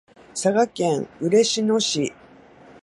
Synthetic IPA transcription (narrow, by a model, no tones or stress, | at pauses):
saɡakẽ̞ɰɯ̟ɾe̞ɕinoɕi